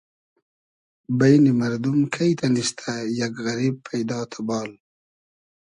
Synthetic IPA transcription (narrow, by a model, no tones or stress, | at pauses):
bajnimaɾd̪umkʰajt̪ʰaniʃt̪ʰajaɡɣɐɾiːb̚pʰajd̪ɑːt̪ʰabɑːl